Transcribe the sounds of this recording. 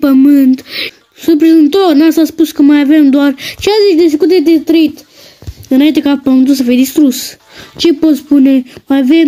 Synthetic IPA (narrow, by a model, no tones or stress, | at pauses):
pəmɨnt̪ | sup̬ɾizɨnt̪ornasaspuskəmajave̞md̪oart͡ʃeazit͡ʃd̪es̬ekut̪d̪ed̪et̪ɾəit̪ | ɨnaint̪̬e̞kapəmɨnt̪usəfijed̪ist̪ɾus | t͡ʃe̞po̞t̪spune̞majavem